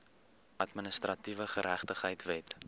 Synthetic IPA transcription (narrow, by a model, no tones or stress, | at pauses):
ʔɐtmənəstrɐtivəχəɾæχtəχɦəjtvɛt